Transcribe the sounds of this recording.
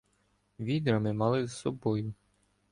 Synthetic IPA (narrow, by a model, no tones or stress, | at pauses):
ʋʲid̪ɾɐmɪmɑlˠɪzsɔbɔjʊ